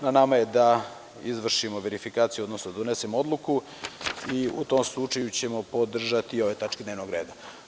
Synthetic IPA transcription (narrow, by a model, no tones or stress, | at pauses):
nanamaje̞d̪a | izʋr̩ʃimo̞ʋe̞ɾifikaːt̪sijuod̪nosnod̪ad̪onesemoo̞d̪lˠuku | iṵt̪o̞mslˠut͡ʂajut͡ɕe̞mo̞pod̪r̩ʒat̪iːo̞ʋet̪at͡ʃked̪neːʋnoɡɾe̞̰ːd̪a